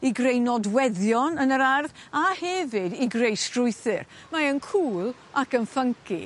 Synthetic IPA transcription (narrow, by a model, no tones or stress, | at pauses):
iɡrejnɔdwɛðjɔnənəɾarðahɛvɨdiɡrejstrʊɨθɪr | maənkʰuːlˠ | akənfəŋkʰḭ